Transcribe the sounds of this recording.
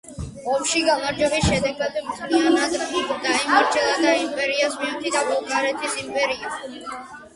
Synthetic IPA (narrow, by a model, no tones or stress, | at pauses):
ɔmʃiɡamaɾd͡ʒɛbisʃɛd̪ɛɡad̪mt̪ʰlianad̪d̪aimaɾd͡ʒɛlˠad̪aimpʼɛɾiasmiɔt̪ʰid̪avɔkʼaɾɛt̪ʰisimpʼɛɾia